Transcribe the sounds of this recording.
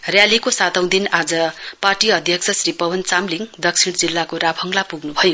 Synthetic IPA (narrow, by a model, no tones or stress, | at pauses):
rjalikosat̪ʌ̃w̃d̪inad͡zʌparʈiʌd̪ʱjʌksʰʌsɾipʌwʌnt͡samliŋd̪ʌksʰiɽ̃d͡zilːakoɾabʰʱʌŋlapuɡnubʱʌjo